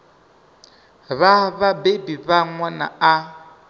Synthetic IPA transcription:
βaβabebiβaŋwana̰a

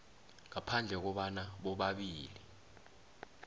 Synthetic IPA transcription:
ŋapʰand͡ɮʱɛk̬ɔɓanaɓɔɓaɓiːli

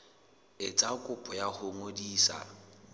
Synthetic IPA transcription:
ɪt͡sʼakʼʊpʼɔjahʊŋodiːsa̰

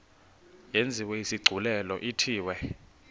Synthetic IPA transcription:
jend͡zʱiwejisiɡ͡ǀʱulɛlɔʔitʰiːwɛ

